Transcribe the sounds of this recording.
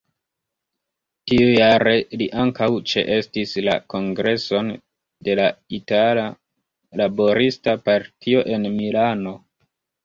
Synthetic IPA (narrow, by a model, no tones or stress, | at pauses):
tiujaɾe̞liʔaŋkawt͡ʃe̞̰ʔe̞stisla̰ko̞ŋɡɾe̞so̞n | de̞laitala | labo̞ɾistapaɾtʰio̞ʔe̞nmilano̞